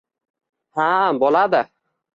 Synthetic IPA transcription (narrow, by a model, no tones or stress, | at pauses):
habɒlad̪ɪ